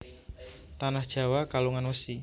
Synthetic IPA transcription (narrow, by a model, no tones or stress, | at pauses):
t̪anahd̥ʒ̥a̤wakaluŋanwəsi